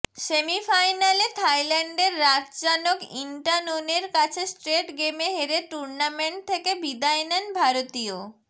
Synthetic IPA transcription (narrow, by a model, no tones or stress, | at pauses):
semifajnalet̪ʰajlɛɳɖeɾːatd͡ʑanokiɳʈanoneɾkat͡ɕʰesʈɾeʈɡemeɦeɾeʈuɾnameɳʈ̚t̪ʰːekebid̪aenɛnbʱaɾot̪io